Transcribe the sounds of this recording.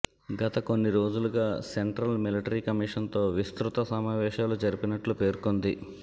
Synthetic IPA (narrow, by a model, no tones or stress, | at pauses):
ɡɐt̪ɐko̞nːiɾo̞ːd͡ʒuluɡaːseɳʈɾɐlmiliʈɐɾiːkɐmiːʂɐnt̪o̞ːʋist̪ɾut̪ɐsɐmaːʋɛːʃaːlud͡ʒɐɾipinɐʈlupe̞ːɾkond̪i